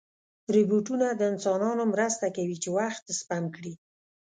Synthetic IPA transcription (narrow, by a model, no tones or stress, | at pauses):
tɾɪbuʈunad̪əɪnsɑnɑnomɾəst̪akawit͡ʃewaxt̪spamkɽi